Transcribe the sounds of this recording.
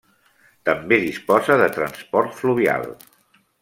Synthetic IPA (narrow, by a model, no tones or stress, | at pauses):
t̪əmbeðispɔzəðət̪ɾənspɔɾt̪fluβia̰lˠ